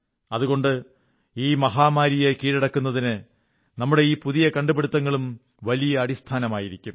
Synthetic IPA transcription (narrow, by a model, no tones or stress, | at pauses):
ɐðuɣo̞ɳɖɨ | iːmɐɦaːmaːɾijekiːɻiɽɐkːunːɐðinɨ | nɐmːuɽe̞iːpuðijɐkɐɳɖubeɽut̪ːɐŋːɐɭum | ʋɐlijɐːɽist̪ʰaːnɐmaːjiɾikʲːum